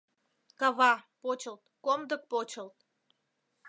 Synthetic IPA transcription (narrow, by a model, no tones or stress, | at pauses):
kɑβɑpot͡ɕəlt̪komd̪ək̚pot͡ɕəlt̪̚